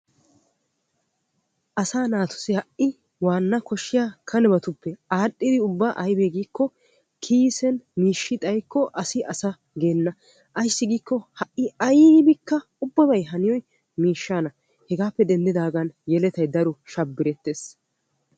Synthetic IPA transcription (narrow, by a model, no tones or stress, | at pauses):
ʔɐsaːnaːt̪ʰʊ̥sɪhɐʔɪ | waːnːɐkɔʃːɪjaːkʰɐnɛbɐt̪ʊpːɛaːɗʼːɪd̪ɪʊbːaʔɐjbeːɡiːkːɔ | kʰiːsɛnmiːʃːɪt̪ʼɐjkːɔʔɐsɪʔɐsɐ | ɡe̞ːnːɐ | ʔɐjsːɪɡiːkːɔhɐʔːɪɐjbɪkːɐ | ʊbːɐbɐjɦɐnɪjɔj | miːʃːaːnɐ | hɛɡaːpːɛd̪ɛnd̪ɪd̪aːɡɐnjɛlɛt̪ɐjd̪ɐɾɔʃɐbːɪɾɛt̪ːeːs